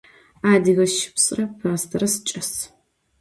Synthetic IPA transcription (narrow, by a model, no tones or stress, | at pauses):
aːdiɣɐʃɪ̥psʼrɐpʰɐʁɐstʰɐɾɐst͡ʃʼɐs